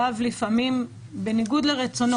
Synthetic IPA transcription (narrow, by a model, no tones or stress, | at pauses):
avlifamim | be̞niɡud̪leʁet͡sono